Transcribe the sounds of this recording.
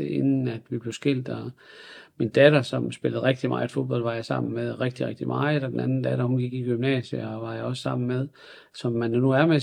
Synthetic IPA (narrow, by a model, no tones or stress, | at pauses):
eenn̩æd̥ʋib̥le̝ʊsɡ̥e̝l̰d̥ɒ | mind̥æd̥ɐsɒ̽msb̥e̝ləð̞̩ˠʁeɡ̥d̥imɑ̈ːed̥fo̝ðˠb̥ɒ̽l̰ʋɑ̈jɑsɑ̈m̰n̩meðˠʁeɡ̥̚d̥iʁeɡ̥̚d̥imʔɑ̈d̥ɒd̥enænn̩d̥æd̥ɐhunɡ̥iɡ̥iɡ̥ymnɛ̰ːsjəɒʋɑ̈jɑ̈ɒ̽səsɑ̈m̰n̩meðˠ | sɒ̽mːændænuæɐme